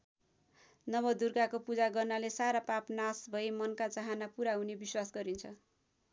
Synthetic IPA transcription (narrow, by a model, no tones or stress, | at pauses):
nʌbʌd̪urɡakopud͡zaɡʌrnalesaɾapapnasbʱʌjmʌnkat͡saɦanapuɾaɦunebiswasɡʌɾint͡sʰʌ